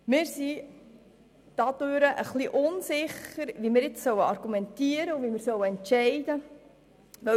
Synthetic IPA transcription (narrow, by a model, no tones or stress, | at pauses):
mɪːɾsi | d̥ɑd̪̥øɾəʔəχliʔʊnsɪχəɾʋimɪːɾjɛt͡ssœwəɑɾɡ̥umɛntiəɾəuvimɪːɾsœwəɛntʃɛɪd̪ə | ʋɛ